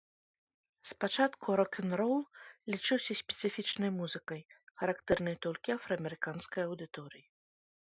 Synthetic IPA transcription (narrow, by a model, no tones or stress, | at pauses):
spat͡ʂat̪kuɾɔkʲʰɛnrɔwlˠlʲit͡ʂɨwsʲɐsʲpʲɛ̥t̪sɨfʲit͡ʂnɐjmuzɨkɐjxɐɾakt̪ɛrnɐjt̪ɔlʲkʲiɐfɾɐɐmʲɛɾɨkanskɐjɐwd̪ɨt̪ɔɾɨji